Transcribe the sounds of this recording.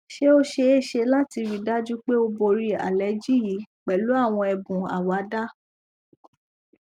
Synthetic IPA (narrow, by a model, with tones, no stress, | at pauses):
ʃe˦o˦ʃe˧e˦˨ʃe˧la˦ti˧ɾi˨da˦d͡ʒũ˦k͡pe˦o˧bo˧ɾi˦a̰˨lɛ˨˦d͡ʒi˦ji˨˦k͡pɛ˨lu˨˦a˦˨w̃ɔ̃˧ɛ˧bũ˨a̰˨wa˨˦da˦